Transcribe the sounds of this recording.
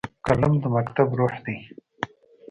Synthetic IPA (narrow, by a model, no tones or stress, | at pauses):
kalamd̪əmakt̪abɾoħd̪ej